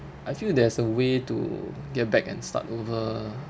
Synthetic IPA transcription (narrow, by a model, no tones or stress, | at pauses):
ʔajfildɛsəwetṵɡɛt̚bɛkɛ̰̃nsta̰tovə